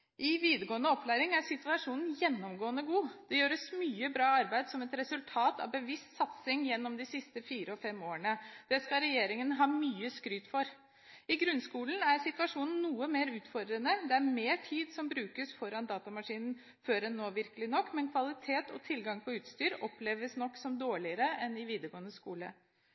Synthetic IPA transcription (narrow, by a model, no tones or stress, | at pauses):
ʔɪʋiːd̪əɾɡoːənəɔpʰːlæːɾɪŋæɾʂɪt̪ʋɑʂuːnn̩jɛnːɔmɡoːənəɡuːd̪̥ɛjøːɾəsmyːəbɾɑːɑɾbæɪd̪sɔmɛt̪ɾɛsʉlt̪ʰɑːt̪ɑ̰ʋbəʋɪst̪sɑt̪sɪŋjɛnːɔmd̪ɪsɪst̪əfiːɾəɔfɛmːoːəɳəd̪̥ɛskɑɾɛjeːɾɪŋənɦɑːmyːəskɾyːt̪fɔɾ | ɪɡɾʉnskuːln̩æɾsɪt̪ʋɑʂuːnn̩ːuːəmeːɾʉːt̪fɔɾd̪ɾənəd̪ɛæɾmeːʈʰiːd̪sɔmbɾʉːkəsfɔɾɑnd̪ɑːt̪ɑmɑʂiːnn̩ | føːɾɛnːoːʋɪɾkəlɪnɔkːmɛnkʰʋɑlɪt̪ʰeːt̪ʰɔ̰t̪ʰɪlɡɑŋpʰɔʉːt̪st̪yːɾɔpleːʋəsnɔkːsɔmd̪oːɭɪəɾəɛnɪʋiːd̪əɾɡoːənəskuːlə̰